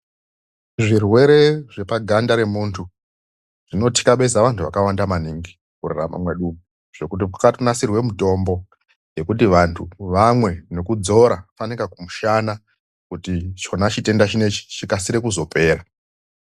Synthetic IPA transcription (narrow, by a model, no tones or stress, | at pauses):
ʐirwe̞ɾe̞ʐe̞paɡʱandaɾe̞muːntʰu | ʐ̥ino̞ti̥kaɓe̞zaʋantʰuʋakawandamaniŋɡi | kurera̰ma̰mwe̞ɗumu | ʐ̥o̞kut̬ikakatunasirwe̞muto̞mbo̞ | je̞kut̬iʋantʰuʋamwe̞no̞kud͡zo̞ɾafanikakumuʃana | kutit͡ʃo̞nat͡ʃite̞ndat͡ʃine̞t͡ʃi̥t͡ʃikasiɾe̞kuzo̞pʰe̞ːɾa